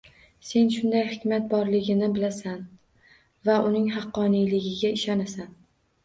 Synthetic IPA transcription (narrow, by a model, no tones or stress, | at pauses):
se̞nʃʊnd̪ajhɪkʲmat̪̚bɒɾlɪɡʲɪnɪbɪlasan | vaʔʊnɪŋɦɑqːɒnijlɪɡʲɪɡʲaɪʃanasan